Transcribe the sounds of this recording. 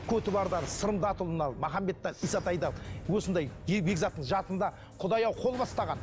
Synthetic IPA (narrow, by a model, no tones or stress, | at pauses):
kʲʰɵt̪ɪbɑɾd̪ɑɾəsəɾəmd̪ɑt̪ʊlˠənɑlˠmɑχɑmːe̞t̪ːɑɾijsɑt̪ʰɑjd̪ɑwosənd̪ɑjbeɡzɑt̪ːəɴʒɑt̪ənd̪ɑ | qʰʊd̪ɑjɑwqʰo̞lˠbɑst̪ɑʁɑn